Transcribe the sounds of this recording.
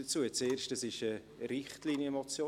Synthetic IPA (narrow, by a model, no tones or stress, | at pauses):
ət͡suːət͡seːɾʃtəsɪʃə | ɾɪχtliːnjəmɔt͡sjoː